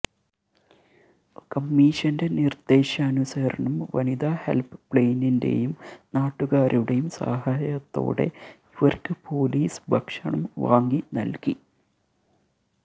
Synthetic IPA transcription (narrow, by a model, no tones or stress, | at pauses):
kɐmːiːɕɐnde̞nird̪̥e̞ːɕɐːnusɐɾɐɳɐmʋɐ̰niðahe̞̰lpɨ̥pɭejninde̞̰jumnaːʈːuɣaːɾuɽejumsa̰ːhaːjɐt̪ːo̞̰ːɽe̞̰ | iʋɐrkɨpo̞ːliːsɨ̥bʱɐkʂɐɳɐmʋaːŋɡinɐ̰lki